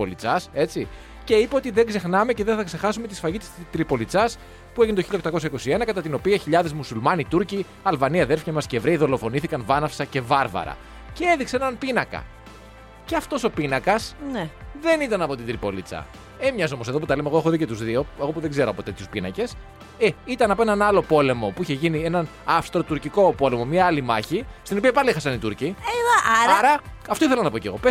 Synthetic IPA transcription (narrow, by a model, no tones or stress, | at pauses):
olit͡sɐse̞t͡si | ce̞ipeo̞t̪iðeŋɡze̞xnɐme̞ceðenθɐkse̞xɐsume̞t̪isfɐʝit̪i̥st̪ɾipo̞lit͡sɐs | pue̞ʝinet̪oçiʎɐok̚t̪ɐko̞sçɐiko̞sie̞nɐkɐt̪ɐt̪ino̞piɐçiʎɐðe̞zmusulmɐnit̪uɾci | ɐlvɐniɐðe̞ɾfçɐmɐsce̞vɾeiðo̞lo̞fo̞niθikɐnvɐnɐfsɐce̞vɐɾvɐ̰ɾɐ̰ | cee̞ðikseenɐnpinɐkɐ̰ | ceɐft̪o̞so̞pinɐkɐsneðe̞nit̪ɐnɐpo̞t̪ind̪ɾipo̞lit͡sɐ̰ | emɲɐzo̞mo̞se̞ðoput̪ɐlemeɣoe̞xoðicot̪uzðio̞eɣopuðeɡze̞ɾoɐpo̞t̪e̞t̪çuspinɐ̰ce̞s | eit̪ɐnɐpoenɐnɐlo̞po̞le̞mo̞puiçe̞ʝinie̞nɐnɐfst̪ɾo̞t̪uɾciko̞po̞le̞mo̞mɲɐɐlimɐçist̪ino̞piɐpɐliexɐsɐnit̪uɾci | ɐɾɐɐft̪oiθelɐnɐpo̞ceɣo̞pe